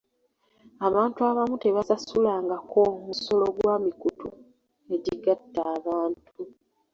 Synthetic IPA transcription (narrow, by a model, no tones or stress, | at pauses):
aβaːntuaβamute̞βasasulaːŋɡakʰomuso̞lo̞ɡwaːmikutṵ | e̞ɟiɡatːaːβaːntʰu